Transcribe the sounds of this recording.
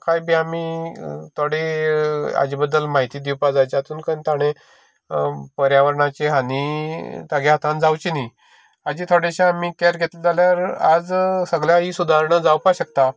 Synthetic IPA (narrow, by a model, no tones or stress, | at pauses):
kajbiːamit̪ʰoɽe | a̰d͡ʑibəd̪ːəlmaɦit̪iːd̪iwpad͡zajt͡ɕat̪uːnkənt̪aɽ̃e | pəɾjaʋəɾɳat͡ɕeɦanit̪aɡeɦat̪ãnd͡zawt͡ɕini | ad͡ʑiːt̪ʰoɽeɕãamiːkɛɾɡʱet̪led͡zaljaɾad͡zsəɡljaɦiːsud̪ʱaɾɳəd͡zawpaɕək̚t̪a